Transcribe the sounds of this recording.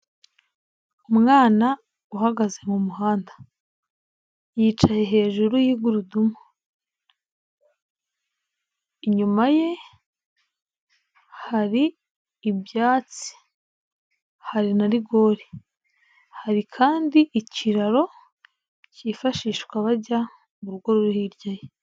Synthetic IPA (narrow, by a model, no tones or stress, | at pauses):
umŋaːna | uhaɡaze̞mumuɦaːndḁ | jiːt͡ʃaje̞ɦe̞ːʒuɾujiɡuɾudumu | iɲumaje̞ | haɾiː | bjaːt͡si̥ | haɾinaɾiɡo̞ːɾi | haɾikʰaːndiʔiciɾaɾo̞ | cifaʃiːʃwaβaɟa | muɾuɡwoɾoɾuhiːɾɟaje